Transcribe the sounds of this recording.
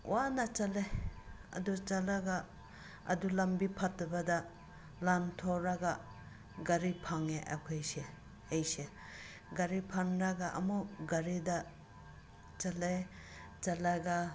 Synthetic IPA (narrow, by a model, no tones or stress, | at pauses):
wanat͡ʃaleɐ̰dut͡ʃalaɡa | ɐ̰dulɐmbipʰatbada | lantʰɔɾaɡa | ɡaɾipʰaŋeʔa̰kʰajse | ejse | ɡaɾipʰaŋɾaɡaʔɐ̰muɡaɾida | t͡ʃale | t͡ʃalaɡa